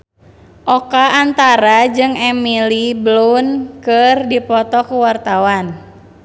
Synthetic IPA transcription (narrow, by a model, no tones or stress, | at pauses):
ʔɔkaːnt̪aɾad͡ʒɨŋɛmiliblunkɨrdipɔt̪ɔkuwart̪awan